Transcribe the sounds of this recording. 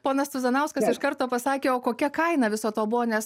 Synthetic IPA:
poːnɐst̪ʊzɐnɐʊskɐsɪʃkɐɾt̪oːpɐsɑːkʲeːoːkoːkʲɛkɐɪnɐʋʲɪsoːt̪oːbʊʋoːnʲɛs

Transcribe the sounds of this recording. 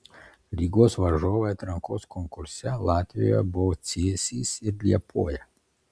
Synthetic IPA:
lʲiːɡoːsʋɐʒoːʋɐjɛt̪ɾɐŋkoːskɔŋkʊɾsʲɛlˠɑːt̪ʲʋʲijɔ̰jɛ̰bɔɔt̪sʲeːsʲiːsɪɾlʲiɛpʰoːjɛ

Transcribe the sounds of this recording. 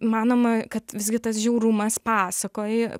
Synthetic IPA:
mɑːnoːmɐkɐt̪ʋʲɪszʲɡʲɪt̪ɐs̬ʒʲɛʊɾʊmɐspɑːsɐkoːjɛ

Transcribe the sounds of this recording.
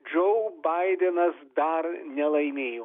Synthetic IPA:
d͡ʒɔʊbɐɪd̪ʲɛnɐsd̪ɐɾnʲɛlˠɐɪmʲeːjoː

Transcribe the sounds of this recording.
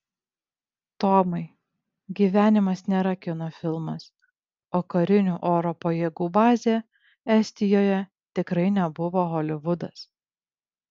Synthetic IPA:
t̪oːmɐɪ | ɡʲiːʋʲæːnʲɪmɐsnʲɛɾɐkʲɪnofʲɪlˠmɐs | oːkɐɾʲɪnʲuːʔoːɾoːpojeːɡuːbɑːzʲeː | ɛsʲt̪ʲɪjoːjɛ | t̪ʲɪkɾɐɪnʲɛbʊʋoːɣɔlʲɪʋʊd̪ɐs

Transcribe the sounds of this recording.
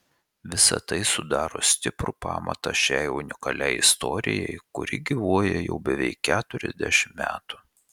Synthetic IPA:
ʋʲɪsɐ̰t̪ɐɪsʊd̪ɑːɾo̰ːsʲt̪ʲɪpɾupɑ̰ːmɐ̰t̪ɑʃʲæɪʊnʲɪkɐlʲɛɪɪst̪ɔɾʲɪ̰jɛɪkʊɾʲɪɡʲiʋuɔjɛjɛ̰ʊbʲɛʋʲɛɪkʲːæːt̪ʊɾʲɛzʲd̪ʲæʃʲɪmmʲæ̰ːt̪ʊ̥

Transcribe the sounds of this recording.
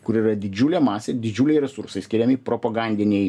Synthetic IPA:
kʊɾiːrɐd̪ʲɪd͡ʒʲuːlʲeːmɑːsʲeːd̪ʲɪd͡ʒʲuːlʲɛɪɾʲɛsuɾsɐɪsʲkʲɪɾʲɛmʲɪpɾoːpɐɡɑnʲd̪ʲɪnʲɛɪ

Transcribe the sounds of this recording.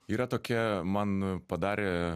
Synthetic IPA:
iːɾɐt̪oːkʲiɛmɐnpɐd̪ɑːɾʲeː

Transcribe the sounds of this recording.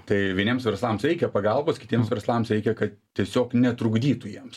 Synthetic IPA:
t̪ɐɪʋʲiɛnʲiːmsʋʲɛɾslˠɐmsɾʲɛɪkʲɛpɐɡɐlˠboːskʲɪ̥t̪ʲiɛmsʋʲɛɾslˠɑmsɾʲɛɪkʲɛkɐt̪tʲiɛsʲoːknʲɛt̪ɾʊɡd̪ʲiːt̪ʊjiɛms

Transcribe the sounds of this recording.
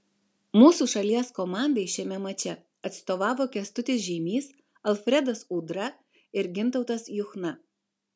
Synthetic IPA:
muːsuːˑʃɐlʲiɛskɔmɑˑnʲd̪eɪʃʲɛmʲɛmɐt͡ʃʲɛ | ɐt̪st̪oːʋɑːʋoːkʲɛst̪ʊt̪ʲɪs̬ʒʲɛmʲiːs | ɐlˠfʲɾʲɛd̪ɐsuːd̪ɾɐ | ɪɾɡʲɪnˑt̪ɐʊt̪ɐsjʊxnɐ

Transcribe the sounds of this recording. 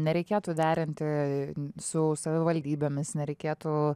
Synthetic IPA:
nʲɛɾʲɛɪkʲeːt̪ʊd̪ʲæːɾʲɪnʲt̪ʲɪ | sʊsɐʋʲɪʋɐlʲd̪ʲiːbʲemʲɪsnʲɛɾʲɛɪkʲeːt̪u

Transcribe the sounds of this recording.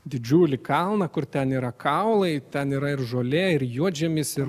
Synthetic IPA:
d̪ʲɪd͡ʒʲuːlʲɪkɐlˠnɐkʊɾt̪ʲɛniːɾɐkʰɐʊlˠɐɪt̪ʲɛniːɾɐɪɾʒoːlʲɛːɪɾjuɔd͡ʒʲɛmʲɪsɪɾ

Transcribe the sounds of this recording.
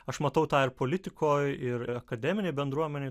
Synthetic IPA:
ɐʃmɐt̪ɐʊt̪ɑːɪɾpoːlʲɪt̪ʲɪkʰoːjɪɾɐkɐd̪ʲɛːmʲɪnʲeɪbʲɛnd̪ɾuɔmʲɛnʲeː

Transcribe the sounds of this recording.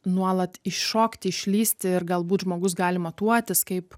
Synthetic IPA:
nuɔlˠɐt̪ɪʃʃoːkt̪ʲɪɪʃʲlʲiːsʲt̪ʲɪɪrɡɐlˠbuːt̪ʒmoːɡʊs̬ɡɑːlʲɪmɐt̪uɔt̪ʲɪskɐɪp

